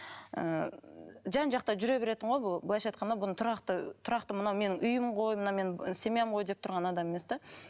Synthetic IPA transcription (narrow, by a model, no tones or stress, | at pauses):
ə̰ | ʒɑnʒɑqt̪ɑʒʏɾe̞be̞ɾe̞t̪ɪɴʁojbʊbəlˠɑjʃɑjt̪̚qɑnd̪ɑbʊnət̪ʰʊɾɑqt̪ət̪ʰʊɾɑqt̪əmənɑwme̞nɪŋʔʏjɪmʁo̞jmənɑwme̞nse̞meemʁo̞jd̪e̞p̚t̪ʰʊɾʁɑnɑd̪ɑmemesd̪e